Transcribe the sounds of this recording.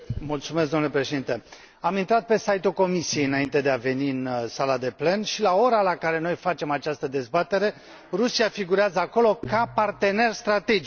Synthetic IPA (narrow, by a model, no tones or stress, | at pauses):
mult̪sumesɡd̪onlepɾeʃe̞d̪int̪e̞ | amint̪ɾat̪̚pe̞sajt̪ulko̞misieɨnaint̪e̞d̪eave̞niɨnsalad̪e̞ple̞nʃilao̞ɾalakaɾe̞no̞jfat͡ʃe̞mat͡ʃast̪əd̪e̞zbat̪e̞ɾe̞ | rusiafiɡuɾeazəako̞lo̞kapart̪e̞ne̞rst̪ɾat̪e̞d͡ʒi